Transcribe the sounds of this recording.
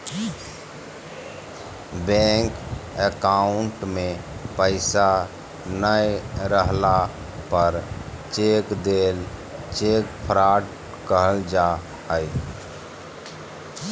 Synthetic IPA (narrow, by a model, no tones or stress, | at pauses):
bɛ̃ŋkekaʊɳʈmẽpəɪsa | nəjɾəɦla | pəɾ | t͡ʃeːkd̪eːlt͡ʃekpʰəɾaːʈ | kəɦəld͡ʒa | ɦəj